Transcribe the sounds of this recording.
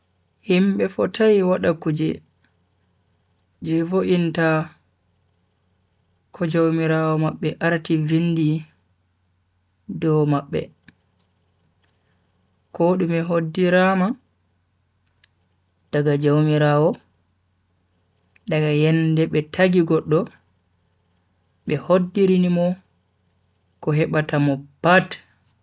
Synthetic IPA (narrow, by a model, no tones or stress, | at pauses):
himɓɛfɔtajiwaɗakud͡ʒɛ̰ | d͡ʒɛvoʔinta | kʰɔd͡ʒowmiɾawɔmaɓːɛʔaɾtivindi | dɔmaɓːɛ̰ | kɔɗumɛɦodːiɾama | d̥aɡad͡ʒowmiɾaːwɔ | daɡajɛndɛɓɛtʰaɡiɡɔɗːɔ | ɓɛhodːiɾinimɔ | kɔɦɛɓatamɔpat